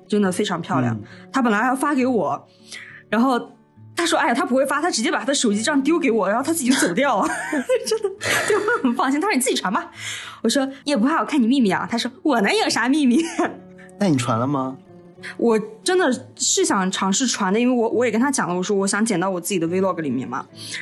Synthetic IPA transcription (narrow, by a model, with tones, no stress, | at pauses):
ʈ͡ʂə˥nd̪ə˨fe˥ɪʈ͡ʂʰɑ˧˥ŋpʰjɑ˥˧ʊljɑ̰˨˩ŋt̪ʰa˥p̬ə˨˩nla˧˥jfa˥ke˧˥ɪwɔ˨˩˦ | ɻa˧˥nxo˥˩ʊ | t̪ʰa˥ʂwɔ˥a˥˩ɪa˨˩t̪ʰa˥pu˧˥xwe˥˩ɪfa˥t̪ʰa˥ʈ͡ʂɻ̩˧˥t͡ɕjɛ˥pa˨˩t̪ʰa˥d̪ə˧ʂo˨˩ʊt͡ɕi˥ʈ͡ʂŋt̪̬jo˥ʊke˧˥ɪwɔ˨˩ɻa˧˥xo˥˧ʊt̪ʰa˥˨˩t͡ɕʊt͡so˨˩ʊt̪jɑ˥˩ʊlə˩ʈ͡ʂə˥nd̪ə˨˩t̪e˥˩ɪ˥xə˧˥nfɑ˥˧ŋɕ̬i˥nʰa˥˩˨t͡s̩˥˩t͡ɕʰwa˧˥nba˧wɔ˨˩ʂwɔ˥ni˥jɛ˨˩p̬xɪwɔ˩kʰa˥˩ni˨˩mi˥˧mi˥˩ɐ̰˨˩t̪ʰa˥ʂwɔ˥wɔ˨˩na˧˥ə˥˩ʂa˧˥mi˥˧mi˥˩ | na˥˩ni˨˩ʈ͡ʂʰwa̰˧˥nlə˧mɐ˨ | wʔɔ˨˩ʈ͡ʂə˥nd̪ə˨ʂɻ̩˥˩ɕjɑ˨˩ŋʈ͡ʂʰɑ˧˥ŋʂɻ̩˥˩ʈ͡ʂʰwa˧˥nd̪ə˧i˥nwe˥˩ɪwɔ˧˥wʔɔ˧˥jɛ˨˩kə˥nt̪ʰa˥t͡ɕjɑ̰˨˩ŋlə˦wɔ˨˩ʂ̬wɔ˥wɔ˧˥ɕjɑ˧˥ŋt͡ɕjɛ˨˩nt̪ɑ˥˩ʊwɔ˨˩t͡sɹ̩˥˩t͡ɕi˨˩d̪ə˦we˥ɪlwɔ˥˩ɡə˧˩li˨˩mjɛ̰˥˩nmɐ̰˩